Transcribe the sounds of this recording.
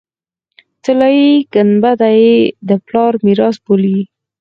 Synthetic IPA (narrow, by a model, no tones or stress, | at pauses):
t̪əlɑjiɡanbad̪ajed̪əplɑɾmiɾɑsboli